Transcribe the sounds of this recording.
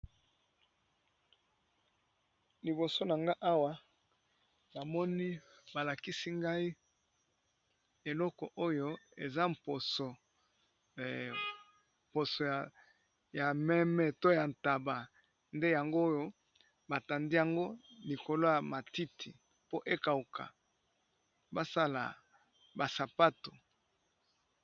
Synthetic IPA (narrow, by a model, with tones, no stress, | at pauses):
li˨bo˨so˦na˨ŋɡa˦ʔa˦wa˦ | na˨mɔ˦ni˦ba˨la˨ki˦si˦ŋɡa˦i˦ | e˨lɔ˦kɔ˨ʔo˦jo˦e˨za˦mpo˨so˨ | po˨so˨ | ja˨mɛ˦mɛ˦to˦ja˨n˨ta˨ba˨ | nde˦ja˨ŋɡo˦jo˦ | ba˨ta˨ndi˦ja˨ŋɡo˦li˨ko˨lo˦ja˨ma˨ti˦tʰi˨ | po˦ʔe˦ka˨u˨kʰa̰˨ | ba˦sa˦la̰˨ | ba˨sa˨pa˦to˨